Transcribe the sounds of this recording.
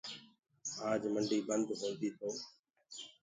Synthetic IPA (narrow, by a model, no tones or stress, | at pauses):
aːd͡ʒməɳɖiːbənd̪ɦoːlt̪iːt̪ʰoː